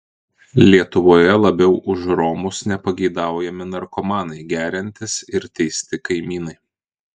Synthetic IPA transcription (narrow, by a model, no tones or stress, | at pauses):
lʲiɛt̪ʊʋoːjɛlˠɐbʲɛʊʔʊʃɾɔmʊsnʲɛpɐɡʲɛɪd̪ɑˑʊjɛmʲɪnɐɾkɔmɑːnɐɪɡʲæːɾʲɪnʲt̪ʲɪsɪɾt̪ʲɛɪsʲt̪ʲɪkɐɪmʲiːnɐɪ